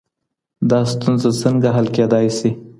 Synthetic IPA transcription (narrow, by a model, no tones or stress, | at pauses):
d̪ɑst̪unzasəŋɡaɦalked̪ɑjsi